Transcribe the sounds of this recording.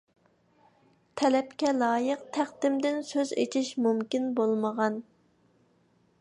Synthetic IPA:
t̪ʰɛlɛpkʲɛlˠɑːjəqt̪ʰæχd̪ɪmd̪ɪnsøzḛt͡ʃʰiʃmumkʲinbolˠməʁɑn

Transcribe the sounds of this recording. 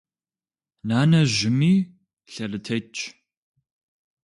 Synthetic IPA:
naːnɐʒɪmiː | ɬɐrɨtʰɐt͡ʃʼ

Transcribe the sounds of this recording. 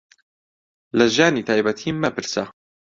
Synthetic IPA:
lɐʒaːniːt̪ʰaːjbɐt̪ʰiːmːɐpɨɾsɐ

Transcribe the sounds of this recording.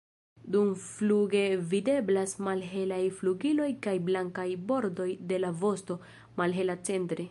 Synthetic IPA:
dumfluɡe̞vide̞blasmalɦe̞lajfluɡilo̞jkajblaŋkajbo̞ɾdo̞jde̞lavo̞sto̞ | malɦe̞lat͡se̞ntɾe

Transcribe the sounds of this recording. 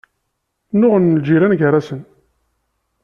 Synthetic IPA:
nʊʁənːəld͡ʒiɾænɡəɾasən

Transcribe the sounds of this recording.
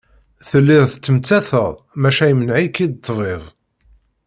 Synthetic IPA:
θəlːɪðθət͡sːəmt͡sːæθəʁ | mæʃæjmənʕikid̪t̪ːˤvˤeðˤ

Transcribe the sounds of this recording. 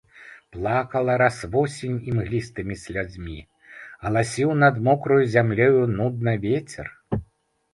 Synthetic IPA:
plˠakɐlˠɐɾasvɔsʲinʲimɣlʲist̪ɨmʲisʲlʲud͡zʲmʲi | ɐlˠasʲiwnɐd̪mɔkɾujuzʲamlʲɛjunud̪̚nɐvʲet͡sʲɛ̰r

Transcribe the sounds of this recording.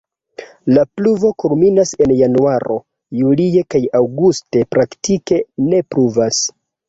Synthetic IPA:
lapluvo̞kulminase̞njanuaɾo̞̰ | julie̞kajawɡuste̞pɾaktike̞ne̞pɾuvas

